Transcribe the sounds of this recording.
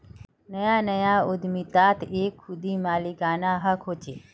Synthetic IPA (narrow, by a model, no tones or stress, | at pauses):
nəjãnəjãod̪mit̪at̪ʰekʰːud̪imaːliɡanaɦəkʰot͡ʃe